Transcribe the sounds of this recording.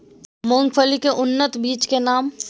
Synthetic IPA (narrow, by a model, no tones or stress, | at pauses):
mʊ̃ŋɡfʰəlikeʔʊnːət̪biːt͡ʃkenaːm